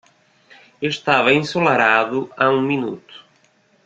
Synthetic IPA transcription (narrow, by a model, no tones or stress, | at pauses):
eʃt̪avɐĩsolaɾaðʊaũminut̪ʊ̥